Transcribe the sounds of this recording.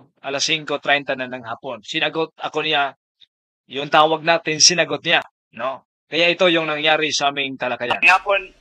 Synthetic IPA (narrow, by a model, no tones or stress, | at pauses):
ʔɐlasiŋko̞t̪ɾɛjnt̪ɐnɐnɐŋhaːpo̞nsɪnɐɡot̪̚ʔɐko̞nɪja | jʊŋt̪aːwɐɡ̚naːt̪ɪnsɪnɐɡot̪̚nɪja | no̞ | kɐjaʔɪt̪o̞jʊŋnɐŋjaːɾɪsɐʔaːmɪŋt̪ɐlɐɡɐja̰nŋhaːpon